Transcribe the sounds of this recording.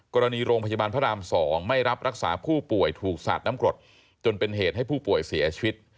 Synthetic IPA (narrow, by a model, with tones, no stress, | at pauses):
kɔː˧ɾa˧niː˧ɾoː˧ŋpʰja˧baː˧npʰaː˦˥˩aː˧msɔː˩˦ŋma˥˩jɾa˦˥p̚ɾa˦˥k̚sa̰ː˩˦pʰuː˥˩pu˨˩əjt̪ʰuː˨˩k̚sa̰ː˨˩t̪̚na˦˥mkɾo˨˩t̪̚ | t͡ɕo˧npe˧nɦeː˨˩t̪̚ɦa˥˩jpʰuː˥˩pu˨˩əjsi˩˦t͡ɕʰi˧wi˦˥t̪̚